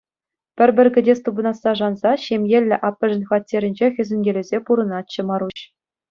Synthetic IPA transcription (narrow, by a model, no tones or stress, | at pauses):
pʲɘ̆rʲbʲɘ̆rʲɡʲɘ̆dʲest̪ubɤ̆nɑsːɑʐɑnzɑɕemʲjelʲːɘ̆ʔɑpʲːɘ̆ʐɘ̆nʲxɑtʲːeɾʲɘ̆nʲd͡ʑexʲɘ̆zʲɘ̆nʲɡʲelʲɘ̆zʲepuɾɤ̆nɑt͡ɕːɤ̆mɑɾuɕ